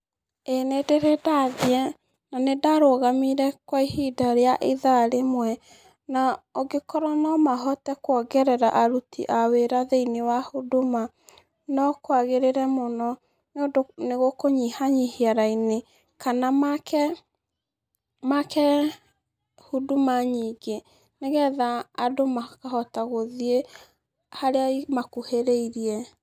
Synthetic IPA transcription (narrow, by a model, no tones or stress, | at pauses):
enedeɾedaðiɛ | nanedaɾoɣamiɾɛkwaihidaɾeaʔeðaɾemwɛ | naɔɡekɔɾɔnɔmaɦɔtɛkwɔɡɛɾɛɾaʔaɾutḭʔaweɾaðeinewahudoma | nɔkwaɣeɾeɾɛmonɔ | nodoneɣokoɲihaɲihiaɾaine | kanamakɛ | makɛ | hudumaɲiːɡe | neɣɛðaːdomakahɔtaɣoðie | haɾeaimakuheɾeiɾiɛ